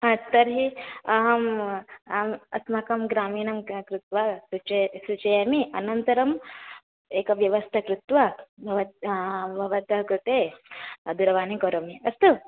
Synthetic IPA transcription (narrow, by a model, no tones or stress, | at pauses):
ɦãt̪ɐɾɦiɐɦɐmamɐ̰smɐkɐmɡɾaːmiːnɐmkɾut̪ʋɐsut͡ʃesut͡ʃɐjɐmiʔɐnɐnt̪ɐɾɐm | eːkɐʋjɐʋɐst̪ʰɐkɾut̪ʋɐbʱɐʋɐt̪bʱɐʋɐt̪ɐɦkɾut̪eɐd̪uɾɐʋaːnikɐɾomiɐst̪u